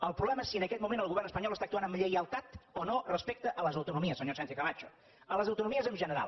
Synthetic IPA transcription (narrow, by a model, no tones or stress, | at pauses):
əlˠpɾuβlɛməɛsiənəkɛt̪̚mumẽnəlˠɣuβɛrnəspəɲɔlˠəst̪ak̚t̪uanəmʎəjəlˠt̪at̪onorəspek̚t̪əʔələzəwt̪unumiəsːəɲosɛnt̪jikəβat͡ʃu̥ | ələzəwt̪unumiəzəmʒənəɾa̰lˠ